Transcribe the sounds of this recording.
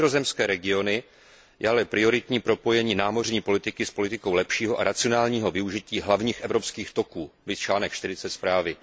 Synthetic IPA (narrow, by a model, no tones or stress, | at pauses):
zozɛmskɛːɾɛɡɪo̞nɪ | jʔɛalɛpɾɪo̞ɾɪt̪ɲiːpɾo̞po̞jɛɲiːnaːmo̞rɲiːpo̞lɪt̪ɪkɪspo̞lɪt̪ɪko̞wlɛpʃiːɦo̞ʔaɾat͡sɪo̞naːlɲiːɦo̞vɪuʒɪciːɦlavɲiːxʔɛvɾo̞pskiːxt̪o̞kuːlɪt̪t͡ʃlaːnɛkʃt̪ɪɾɪt͡sɛt̪spɾaːvɪ